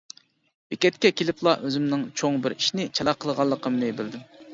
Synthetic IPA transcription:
bɪkʲɛt̪kʲɛkʲʰelɪplˠɑʔøzɪmnɪŋt͡ʃʰoŋbɪɾiʃnɪt͡ʃʰɑɑqʰəlˠəʁɑlˠːəqʰəmnɪbɪld̪ɪm

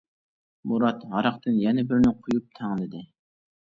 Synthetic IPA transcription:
muɾɑt̪ʁɑɾɑqt̪ɨnjɛnɛbɪɾnɪqʰʊjup̚t̪ʰɑŋlˠɨd̪ɪ

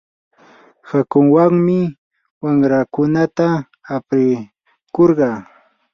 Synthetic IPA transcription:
hakʊŋwaŋmɪ | waŋɾakʊnat̪aː | pɾɪ | koɾɢɑː

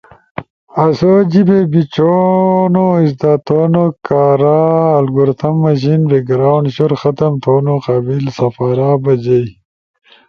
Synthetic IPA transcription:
ɐsod͡ʑibebit͡ɕonoisd̪aːt̪ʰoːnokaːɾaːlɡuɾt̪ʰɐmːɐʑinɾeɡɾawɳɕuɾxɐt̪ɐmt̪ʰoːnoqaːbilsɐfaːɾabɐd͡ʑɐj

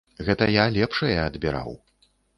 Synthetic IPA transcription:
ɣɛt̪ɐjalʲɛpʂɐjɐːd̪bʲiɾa̰w

